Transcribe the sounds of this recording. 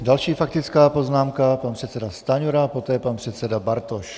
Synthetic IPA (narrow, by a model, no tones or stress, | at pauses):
dalʃiːfakt̪ɪt͡skaːpo̞znaːmkapanpr̥ɛt̪t͡sɛdast̪aɲuɾapo̞t̪ɛːpanpr̥ɛt̪t͡sɛdabaɾt̪oʃ